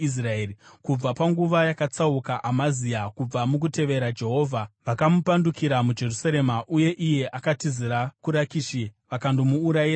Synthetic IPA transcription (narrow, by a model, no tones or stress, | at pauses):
is̬raeːrikub͡vapaŋɡuʋajakat͡saukaʔamaziakub͡vamuk̬ute̞ʋe̞ɾad͡ʒe̞ɦo̞ːvʱaʋakamupandukiɾamud͡ʒe̞rusaɾe̞maʔuje̞ʔije̞ʔakatiziɾakuɾakiʃiʋakandomuːɾaira